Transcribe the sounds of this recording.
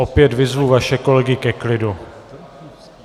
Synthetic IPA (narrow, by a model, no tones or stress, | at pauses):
opjɛt̪vɪzvuːvaʃɛko̞lɛɡɪkɛklɪdu